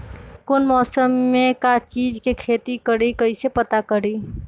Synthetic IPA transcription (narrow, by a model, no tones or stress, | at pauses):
konmɔːsəmːekat͡ʃiːd͡ʒkekʰeːt̪ikəɽikəisepət̪akəɽi